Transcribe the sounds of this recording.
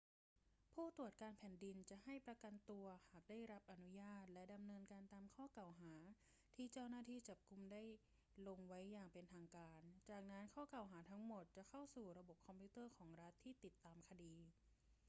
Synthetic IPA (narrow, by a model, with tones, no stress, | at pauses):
pʰuː˥˩t̪u˨˩ət̪̚kaː˧npʰɛː˨˩˦ndi˧nt͡ɕa˨˩ʔha˥˩jpɾa˧ka˧nt̪u˧ɐhaː˨˩k̚daː˥˩jɾa˦˥p̚ʔa˧nu˦˥jaː˥˩t̪̚lɛ˦˥da˧mnɤː˧nkaː˧nt̪aː˧mkʰɔː˥˩ka˨˩wɦaː˩˦ | t̪ʰiː˥˩t͡ɕa˥˩wnaː˥˩t̪ʰiː˥˩t͡ɕa˨˩p̚ku˧mda˥˩j | lo˧ŋwa˦˥jːaː˨˩ŋpe˧nt̪ʰaː˧ŋkaː˧nt͡ɕaː˨˩k̚na˦˥nkʰɔː˥˩ka˨˩wɦaː˩˦t̪ʰa˦˥ŋmo˨˩t̪̚t͡ɕa˨˩kʰa˥˩wsuː˨˩ɾa˧bo˨˩p̚kʰɔ˧mpʰiː˦˥t̪ɤː˥˩kʰɔː˩˦ŋɾa˦˥t̪ʰːiː˥˩t̪i˨˩t̪ːaː˧mkʰa˧diː˧